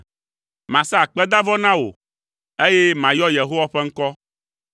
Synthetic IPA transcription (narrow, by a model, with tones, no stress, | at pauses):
mã˨sa˦˨k͡pɛ˦d̪a˦vɔ˦nã˦wo̰˨ | e˦je˦mã˨jɔ˦je˨ɦo˦wa˦ɸɛ˦ŋ̩˦kɔ˦